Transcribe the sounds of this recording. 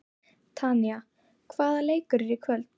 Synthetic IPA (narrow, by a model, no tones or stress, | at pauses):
t̪ʰania | kʰvaːðaleːjkʏɾɛɾikʰvœlt̪